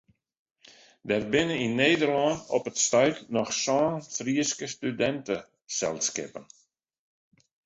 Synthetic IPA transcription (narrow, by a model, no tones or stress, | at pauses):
dɛrbɪnəinːeːdərlɔnɔpətstœɥtnɔxsɔːnfriəskəstydɛntə | sɛ̰lˠskɪ̰pən